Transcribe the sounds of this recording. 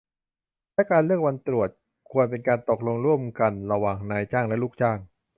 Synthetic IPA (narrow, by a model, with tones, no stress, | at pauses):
lɛ˦˥kaː˧nlɯ˥˩ək̚wa˧nt̪ɾu˨˩ət̪̚ | kʰu˧ənpe˧nkaː˧nt̪o˨˩k̚lo˧ŋɾu˥˩əmka˧nɾa˧waː˨˩ŋnaː˧jt͡ɕaː˥˩ŋlɛ˦˥luː˥˩k̚t͡ɕaː˥˩ŋ